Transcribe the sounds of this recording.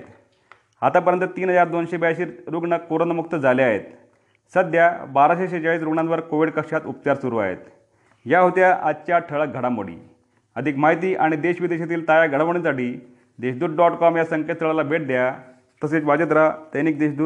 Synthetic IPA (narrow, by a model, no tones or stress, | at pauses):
t̪ | at̪ap̬əɾjənt̪ət̪iːnɦəd͡zaɾd̪onɕebjaɕiːɾɾuɡɳəkoɾənəmuk̚t̪əd͡zaleaɦḛt̪ | səd̪ʱjabaɾaɕeɕet͡ɕaɭiːsɾuɡɳanʋəɾkoʋiɖkəkʂat̪up̚t̪aɾsuɾuːa̰ɦḛt̪ | jaɦot̪jaʔat͡ɕaʈʰəɭək̚ɡʱəɽamo̰ɽḭː | əd̪ʱikmaɦit̪iːʔaɽ̃id̪eɕʋid̪eɕat̪̬iːlt̪ajaɡʱəɽaʋɳit͡saʈiː | d̪eɕd̪uːɾɖɔʈkɔmjasəŋket̪st̪əɭalabʱeʈ̚d̪eja | t̪əset͡sʋad͡ʑət̪̬ɾat̪əniːk̚d̪eɕd̪uːɾ